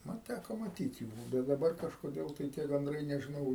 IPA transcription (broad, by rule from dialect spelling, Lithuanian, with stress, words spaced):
ˈmɐn ˈtʲækoː mɐˈtʲiːt juː bʲɛt dɐˈbɐr kɐʃkoːˈdʲeːlˠ tɐɪ tʲiɛ ɡɐnˈdrɐɪ nʲɛʒʲɪˈnɐʊ